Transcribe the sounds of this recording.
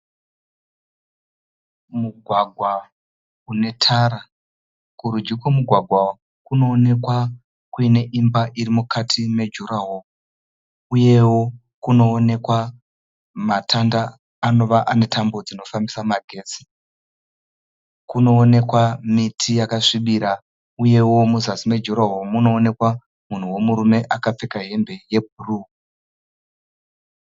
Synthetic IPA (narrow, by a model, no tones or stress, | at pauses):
muɡʱwaɡʱwa | une̞tʰaɾa | kuɾud͡ʒikwemuɡʱwaɡʱwa | kuno̞ːne̞kwa | kuine̞ʔimbaʔiɾimukʰatʰime̞d͡ʒurawo | uje̞wo̞ | kuno̞ːne̞kwa | matʰandaː | no̞ʋaʔane̞tʰambo̞d͡zino̞fambisamaɡʱe̞ːsi̥ | kuno̞ːne̞kwamitʰijakaʂiɓiɾa | uje̞wo̞muzasime̞d͡ʒuɾaɦomuno̞ːne̞kwa | mun̤uwo̞muɾume̞ʔakap͡fe̞kaɦe̞mbe̞je̞b̚ʱuru